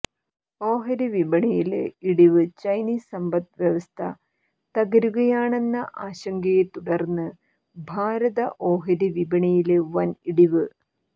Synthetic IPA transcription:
o̞ːɦɐɾiʋibɐɳijiliɽiʋɨt͡ɕɐjniːsɐmbɐt̪ʋjɐʋɐst̪ʰɐ | t̪ɐɣɐɾuɣɐjaːɳe̞nːɐʔaːɕɐŋɡɐjet̪uɽɐrnːɨ | bʱaːɾɐðɐʔo̞ːɦɐɾiʋibɐɳijilʋɐniɽiʋɨ

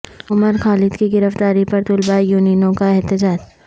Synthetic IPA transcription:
ʊməɾxaːlɪd̪kiɡɪɾəft̪aːɾipɐɾt̪ʊlbajuːniːnõkaɪɦt̪ɪd͡ʒaːd͡ʒ

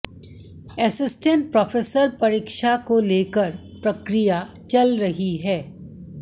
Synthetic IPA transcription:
ɛsɪsʈə̃ɳʈ̚pɾɔːfeːsəɾpɐɾiːkʃakoleːkəɾ | pɾɐkɾija | t͡ʃɐlɾɐɦiɦɛː

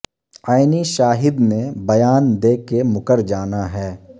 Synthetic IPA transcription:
aːɪniʃaːɦɪd̪mẽbɐjaːnd̪eːkemʊkəɾd͡ʒaːnaɦɛː

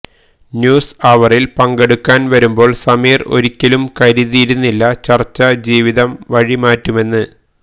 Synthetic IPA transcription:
njuːsɐʋɐrilpɐŋɡe̞ɽukːaːnʋɐɾumbo̞ːɭsɐmiːro̞̰ɾikʲːɐlumkɐɾiðijiɾunːilːɐt͡ɕɐrt͡ɕːɐd͡ʑiːʋiðɐmʋɐɻimaːtːume̞nːɨ

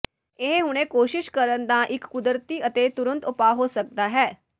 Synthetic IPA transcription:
eɦɦʊɽ̃ekoːʃɪʃkəɾənd̪ãʔɪkːʊd̪ɾt̪iːət̪et̪ʊɾə̃nt̪ʊpaːɦoːsək̚d̪aːɦɛː

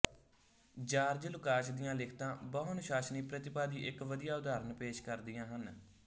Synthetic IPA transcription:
d͡ʒaːɾd͡ʒlʊkaːʃd̪ɪjãːlɪkʰt̪ãːbəɦnʃaːsniːpɾət̪ɪpaːd̪iːʔɪkʋəd̪ijaːʊd̪aːɾənpeːʃkəɾd̪ɪjãːɦən

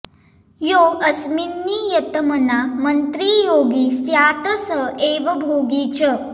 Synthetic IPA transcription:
joːɐsminːiːjɐt̪ɐmɐnamɐnt̪ɾiːjoːɡisjaːt̪ɐsəeːʋɐbʱoːɡit͡ʃɐ

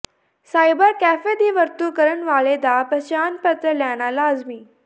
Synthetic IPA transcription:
saːjbəɾkæːfed̪iːʋəɾt̪uːkəɾəɳʋaːɭed̪apəɕaːnpət̪ɾəljaɽ̃alaːzmiː

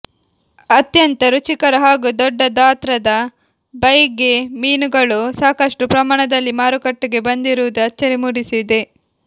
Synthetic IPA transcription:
ɐt̪jɐnt̪ɐɾut͡ʃikɐɾɐɦaːɡud̪ɔɖːɐd̪aːt̪ɾɐd̪ɐ | bɐjɡemiːnuɡɐɭusaːkɐʂʈɾupɾɐmaːɳɐd̪ɐlːimaːɾukɐʈːuɡe̞bɐnd̪iɾuʋd̪uɐt͡ʃːɐɾimuːɽisid̪e̞

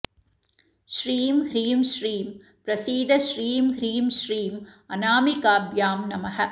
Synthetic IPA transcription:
ʃɾiːmhɾiːmʃɾiːm | pɾɐsiːd̪ɐʃɾiːmɦɾiːmʃɾiːmɐnaːmikaːbjaːmnɐmɐhɐ

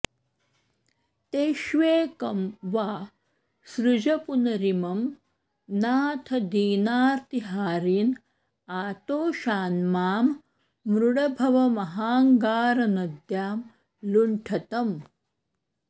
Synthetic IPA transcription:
t̪eːʃʋeːkɐmʋaː | sɾud͡ʒɐpunɐɾimɐm | naːt̪ʰɐd̪iːnaːɾt̪iɦaːɾiːn | aːt̪oːʃaːnmaːmː | ɾuɽɐbʱɐʋɐmɐɦaːŋɡaːɾɐnɐd̪jaːm | luɳʈʰɐt̪ɐm

